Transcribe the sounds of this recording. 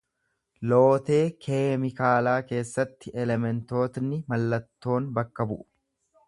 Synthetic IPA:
lo̞ːt̪e̞ːkʰeːmɪkaːlaːke̞ːsːɐt̪ːɪʔɛlɛmɛnt̪o̞ːt̪nɪmɐlːɐt̪ːo̞ːnbɐkːɐbʊʔʊ

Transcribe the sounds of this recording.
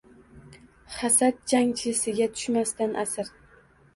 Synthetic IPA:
χasat̪̚d͡ʒaŋt͡ʃʰɪsɪɡʲat̪ʰʊ̥ʃmast̪anʔasɪɾ

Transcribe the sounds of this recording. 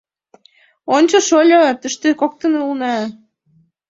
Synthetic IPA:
onʲt͡ɕoʃolʲot̪ə̆ʃt̪ekok̚t̪ə̆nulnɑ

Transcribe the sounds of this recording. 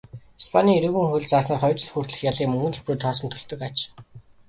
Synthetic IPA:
ispʰanʲiːeɾɵ̆ɣɘ̆ŋxuɮʲt͡saːsnaːrχɔjt͡ɕɪ̆ɮxuːr̥t̪ɮɘ̆xjaɮiːŋmɵŋɡɘ̆nɮpruːt̪ʰɔːsə̆nt̪ʰɵɮt̪ɵ̆kat͡ɕ

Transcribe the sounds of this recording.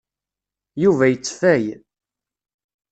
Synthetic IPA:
juvæjət͡sːfæj

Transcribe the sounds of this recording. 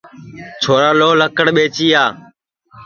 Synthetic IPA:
t͡ʃʰoːɾaːloːləkəɽɓeːt͡ʃiːaː

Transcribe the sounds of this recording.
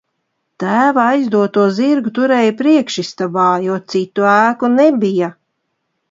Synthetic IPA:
t̪æːvaajzd̪uɔt̪uɔziɾɡut̪uɾɛːjapɾiɛkʃist̪abaːjɔɔt̪sit̪ːuæːkunebija

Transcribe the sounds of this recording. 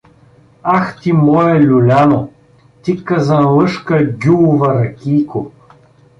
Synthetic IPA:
axt̪ʲimɔjɛlʲulʲano | t̪ikːɐzɐnlˠɤʃkəɡʲulvɐɾɐkʲiːko

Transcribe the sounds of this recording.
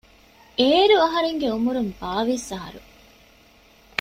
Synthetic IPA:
eːɾuɐɦɐɾeŋɡeumuɾumbaːʋisɐɦɐ̰ɾṵ

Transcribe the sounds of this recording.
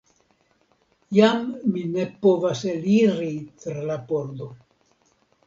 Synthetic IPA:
jamːine̞po̞vaseliɾit̪ɾɾalapo̞ɾd̪o̞

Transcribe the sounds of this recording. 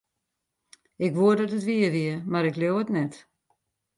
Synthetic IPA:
ɪkʋuədɔtətʋiəʋiəmaɾɪkljowətnɛt

